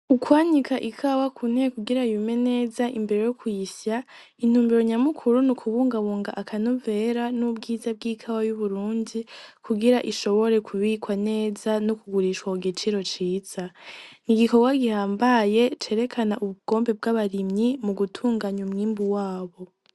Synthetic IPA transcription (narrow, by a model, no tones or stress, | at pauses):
ukʰwaːɲikʰaʔikʰawakʰun̥hekuɡiɾajume̞ne̞ːzaʔimbe̞ɾe̞jokwiisja | in̥uːmbeɾoɲamukʰuɾunikʰuβuːŋɡaβuːŋɡaʔakʰanove̞ɾanubɡiːzab̚ɡiːkʰawajuβuɾuːndikʰuɡiɾaʔiʃo̞βo̞ɾe̞kʰuβikwane̞ːzanokuɡuɾiʃwauɡit͡ʃiɾo̞t͡ʃiːz̥aniɡiko̞ɡwaɡihaːmbaje̞t͡ʃe̞ːɾe̞kʰanaʔuβuɡ̥o̞ːmbe̞b̚ɡaβaɾimɲimuɡutʰuːŋɡaɲumŋiːmbuwaːβo̞